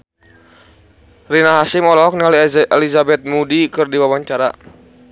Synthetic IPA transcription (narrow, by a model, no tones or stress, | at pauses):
rinaɦasimɔlɔɔk̚niɔliɛlizabɛt̪̚mudikɨrdiwawaɲt͡ʃaɾa